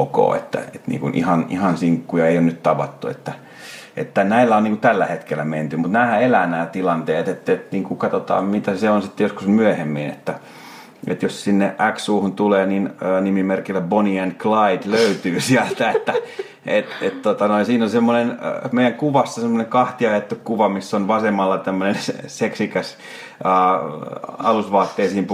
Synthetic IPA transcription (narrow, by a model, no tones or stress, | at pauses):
ko̰ːḛt̪ːæ̰ḛt̪nḭːŋkunʔḭhɑnḭhɑnsiŋkːujɑeijonnyt̪t̪ɑʋɑt̪ːuḛt̪ːæ | ʔḛt̪ːænæilːæonniːŋkut̪ælːæhet̪kelːˑæment̪ymut̪næːhæelænæːt̪ilɑnt̪eːt̪et̪ːet̪niːŋkukɑt̪ot̪ɑ̰ːmit̪æseonsit̪ːejoskusmyæhemːinḛt̪ːæ | ḛt̪jossinːeʔʔæksuːhunt̪uleːninəːnimimerkilːæboniænklɑid̪løyt̪yːsiælt̪æet̪ːæ | et̪et̪t̪ot̪ɑnoinsiːnosemːonenmeijæŋkuʋɑsːɑsemːoneŋkɑht̪iɑjet̪ːukkːuʋɑmisːonʋɑsemːɑlːɑt̪æmːønensseksikæsː | ɑlusʋɑːt̪ːeːsiːimp